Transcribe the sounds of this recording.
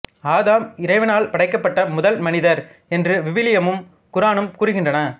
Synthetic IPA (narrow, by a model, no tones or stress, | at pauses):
aːðaːmɪɾɐɪʋɐnaːlpɐɽɐɪkːɐpːɐʈːɐmʊðɐlmɐnɪðɐɾ | ɛndrɯʋɪʋɪlɪjɐmɯm | kʊɾaːɳɯmkuːɾɯɣɪndrɐnɐ